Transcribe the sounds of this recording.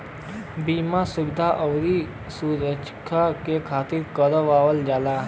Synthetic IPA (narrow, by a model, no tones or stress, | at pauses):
biːmasʊbɪd̪ʱaʔɔʋɾi | suːɾət͡ʃkʰakekʰaːt̪iɾkəɾəʋaːʋəld͡ʒaːla